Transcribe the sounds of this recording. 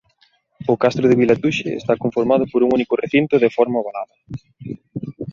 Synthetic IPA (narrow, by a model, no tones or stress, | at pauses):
ʊkast̪ɾʊðɪβilat̪uʃeḛst̪akoɱfoɾmað̞ʊpoɾuŋunikʊrʔeθint̪ʊðefɔɾmaβalaðɐ